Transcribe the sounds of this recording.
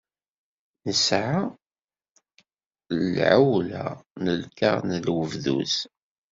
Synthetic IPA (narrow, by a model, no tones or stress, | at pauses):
nəsʕa | lʕawla̰nəlkaʁnəlwəvðṵs